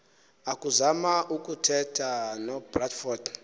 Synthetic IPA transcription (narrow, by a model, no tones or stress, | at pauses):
akuzamaʔukutʰɛtʰanɔbratfɔd